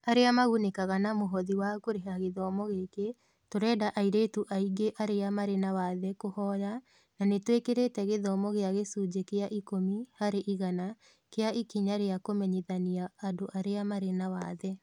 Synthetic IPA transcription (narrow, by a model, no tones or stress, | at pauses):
aɾeamaɣunekaɣanamoɦɔðiwakoɾeɦaɣeðɔmɔɣeke | toɾɛːdaʔaiɾeːtuʔaiɡeʔaɾeamaɾenawaðɛkohɔɾa | nanetwekeɾetɛɣeðɔmɔɣeaɣesud͡ʒekeaʔikomihaɾeʔiɣana | keaikiɲaɾeakomɛɲeðaniaːdoʔaɾeamaɾenawaðɛ